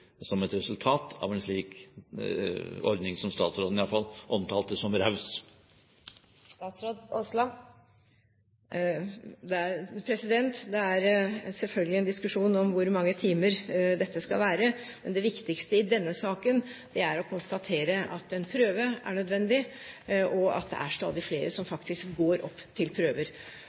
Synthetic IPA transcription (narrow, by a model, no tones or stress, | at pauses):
sɔmɛt̪ɾɛsʉlt̪ʰɑːt̪ʰɑ̰ʋɛnʂɭiːk | ɔ̰ɾd̪nɪŋsɔmst̪ɑ̰ːt̪sɾoːd̪nɪjɑlfɑlʔɔmt̪ʰɑːlt̪əsɔmɾɑʉs | st̪ɑːt̪sɾoːd̪ɔslɑ | d̪ɛæɾpʰɾɛsɪd̪ɛnt̪d̪ɛæɾsɛlfœlɡəlɪɛnd̪ɪskʉʂuːnɔmʋʊɾmɑŋːət̪ʰiːməɾd̪ɛt̪ːəskɑ̰lʋæːɾə | mɛnd̪ɛʋɪkt̪ɪkst̪əɪd̪ɛnːəsɑːkənd̪̥ɛæɾɔkʰʊnst̪ɑt̪ʰeːɾəʔɑt̪ɛnpʰɾøːʋəæ̰ɳœd̪ʋɛnd̪ɪ | ɔɑ̰t̪̚d̪ɛ̰æ̰ʂt̪ɑ̰ːd̪ɪfleːɾəsɔmfɑkt̪ɪskɡoːɾɔ̰pːt̪ʰɪlpʰɾøːʋəɾ